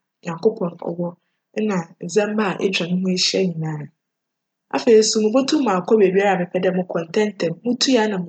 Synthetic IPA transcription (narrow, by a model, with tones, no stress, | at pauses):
ɲã˨ŋkʰo˦pʰɔ̃˨nɔ̰˨wɔ˦ | nã˨n̩˨zɛ̃˦mba˦˨ʔɛ̰˦t͡ɕᶣa˨nʊ̃˦mʊ̃˦e˦ɕi˦ɛ˦ɲĩ˨nãː˦ã˨ | a̰˨fe˨i˨˦su˦mʊ̃˨bo˦tʰũ˦mã˨kʰɔ˦be˨bi˦a˦ɾa˨mɪ̃˨pʰɛ˨dɛ˦˨mʊ̃˦kʰɔ̃˨n˨tʰɛ̃˦n˦tʰɛ̃˨mmʊ̃˦tʰu˦a˦nã˨m˨